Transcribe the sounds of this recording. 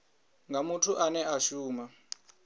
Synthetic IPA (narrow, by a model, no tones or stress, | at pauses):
ŋɡʱamutʰuʔanɛʔaʃuːma